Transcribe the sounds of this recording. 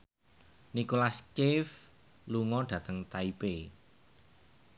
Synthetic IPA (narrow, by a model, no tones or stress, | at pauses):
nikolaskɪf | luŋɔɖ̥ä̤t̪əŋt̪aipe